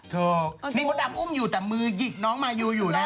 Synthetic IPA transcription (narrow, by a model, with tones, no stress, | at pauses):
t̪ʰɤː˧k̚niː˥˩kɔ˨˦da˧mʔu˥˩˨mjuː˨˩t̪ɛː˨˩mɯː˧ji˨˩k̚nɔː˨˦˥ŋmaː˧juː˧˩juː˨˩na˦˥